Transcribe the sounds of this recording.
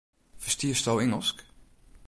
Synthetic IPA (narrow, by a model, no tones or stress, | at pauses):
fə̥stiəstɔwɪŋəlˠsk